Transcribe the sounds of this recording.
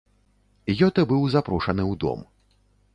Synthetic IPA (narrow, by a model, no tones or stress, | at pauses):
jɔt̪ɨbɨwzapɾuʂɐnɨwd̪ɔ̰m